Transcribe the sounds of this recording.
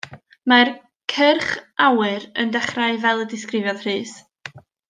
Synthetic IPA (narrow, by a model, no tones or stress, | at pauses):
mar | kʰərχʔawɨɾəndɛχraɨvɛlˠədɪskrɪvjɔðr̥ɨːs